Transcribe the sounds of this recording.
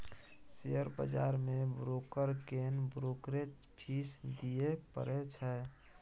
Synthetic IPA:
sijəɾbə̰d͡ʒa̰ɾmebɾokəɾkenbɾokɾet͡ʃ | pʰisd̪ijepə̰ɾɛt͡ʃʰɛ

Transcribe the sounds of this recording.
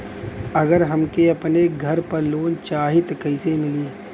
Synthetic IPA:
ɐɡəɾɦɐmkeɐpneɡʱɐɾpɐɾloːnt͡ʃaːɦɪt̪kɐɪsemɪliː

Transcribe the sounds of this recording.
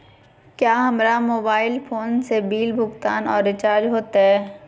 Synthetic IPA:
kjaːɦɐmɾamoːbaːɪlpʰoːnsebiːlbʱʊkt̪aːnɔːɾːɪt͡ʃaːɾd͡ʒɦoːt̪aɦɛː

